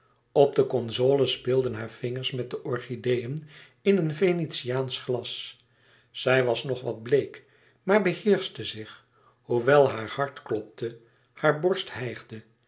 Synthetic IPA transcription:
ɔb̚dəkɔnzoːləspɪːlˠdənɦaːɹv̥ɪŋəɹsmɛt̚dəʔɔɹχidejən | ɪnənvenitsiaːnsχlɑs | sɛjʋɑsnɔχʋɑd̚blejk | maːɹbəhɪːɹstəzɪχ | huʋɛlˠɦaːɹhɑɹtklɔp̚tʰə | haːɹbɔɹsthɛjχdə

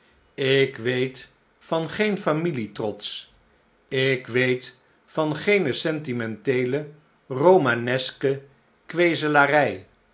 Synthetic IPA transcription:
ɪkʋejt | fɑnχejnfamilitrɔts | ɪkʋejt | fɑnχejnəsɛntimɛntejlə | romanɛskə | kʋejzəlaːrɛj

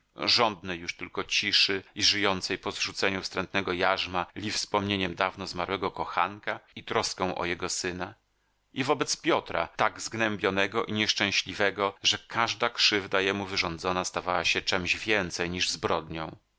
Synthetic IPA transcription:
ʐɔnd̪nɛjːuʂt̪ɘlkɔt͡ɕiʂɘiʐɘjɔnt̪sɛjpɔzʐut̪sɛɲufst̪ɾɛnt̪nɛɡɔjaʐmalʲifspɔmɲeɲɛmd̪avnɔzmaɾwɛɡɔkɔxa̰nkait̪ɾɔskɛ̃w̃ʔɔ̰jɛɡɔsɘna | ʔivɔbɛt̪spʲjɔt̪ɾa̰t̪aɡzɡnɛmbʲjɔnɛɡɔʔiɲɛʂt͡ʂɛ̃w̃ɕlʲivɛɡɔʐɛkʰaʐd̪akʂɘvd̪ajɛmuvɘʐɔnd̪zɔnast̪avawaɕɛt͡ʂɛmʑvʲjɛnt̪sɛjɲiʐzbɾɔd̪ɲɔ̃w̃

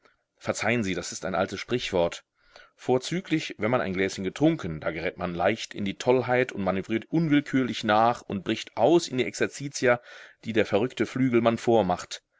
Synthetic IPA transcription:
fɛɐt͡saɪənziːdasɪstaɪnʔa̰ltəsʃpʁ̥ɪçv̥ɔɐt | foːɐt͡syːklɪçvɛnmanʔa̰ɪnɡlɛːsçənɡətʁ̥ʊŋkʰən̩d̥a̰ːɡəʁɛːtmanlaɪçtɪ̰ndiːtʰɔlɦaɪtʊntmanyvʁiːɐtʔʊnvɪlkʰyːɐlɪçnaːχʊnt̚b̥ʁɪçtʔaʊsɪndiːʔɛksɛɐt͡siːt͡siad̥iːdeːɐfɛɐʁ̞ʏktəflyːɡl̩manfoːɐmaχt

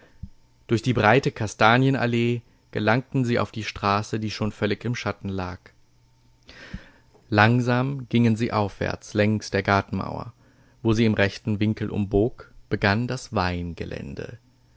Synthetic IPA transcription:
d̥ʊɐçd̥iːbʁaɪtəkʰastaːnjəna̰leː | ɡ̥əlaŋ̚tn̩ziːʔa̰ʊfd̥iːʃtʁ̥aːsədiːʃoːnfœlɪçɪmʃatn̩laːk | laŋzaːmɡ̥ɪŋənziːʔaʊfv̥ɛ̰ɐt͡slɛŋstd̥eːɐɡaɐtn̩ma̰ʊɐ̰ | voːziːɪmʁɛçtn̩vɪŋkl̩ʔʊ̰mboːkb̥əɡandasv̥aɪnɡə̰lʔɛ̰ndə̰

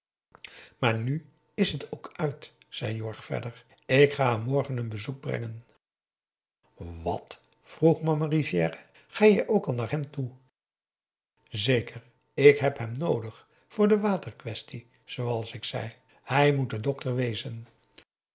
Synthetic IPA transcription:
maːɹny | ɪsɦətowkʰœɥt | sɛ̰jjɔɹχfɛ̰dəɹ | ɪkχaːamɔɹχənənbəzuk̚brɛ̰ŋən | ʋɑ̰t | fruχmɑmarivjɛːrə | χaːjəʔowkɑlˠnaːɹɦɛmtu | zejkəɹ | ɪkɦɛpɦɛmnowdəχ | fʊːɹdəʋaːtəɹkʋɛsti | z̥owɑlˠsɪksɛ̰j | hɛjmut̚dədɔktəɹʋejzən

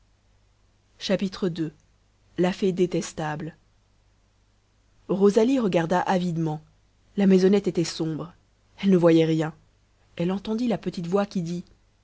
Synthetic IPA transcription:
ʃapit̪χəd̪ø | lafed̪et̪ɛst̪abl | ʁozaliʁəɡaʁd̪aʔavid̪mɑ̃ | lamɛzɔnɛt̪et̪ɛsɔ̃bʁ | ɛlnəvwajɛʁjɛ̃ | ɛlɑ̃t̪ɑ̃d̪ilapət̪it̪vwakʲid̪i

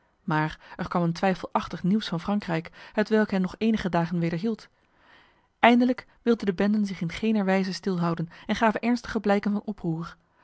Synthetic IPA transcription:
maːrɛɹkʋɑməntʋɛjfəlˠʔɑχtəχniwsfɑnfrɑŋkrɛjkhətʋɛlˠkɦɛnɔχejnəχədaːχənʋejdəɹɦilˠt | ʔɛjndələk | ʋɪlˠdəndəbɛndənzɪχɪnχejnəɹʋɛjzəstɪlˠɦɑwdənɛnχaːvənʔɛɹnstəχəblɛjkənvɑnɔpruːɹ

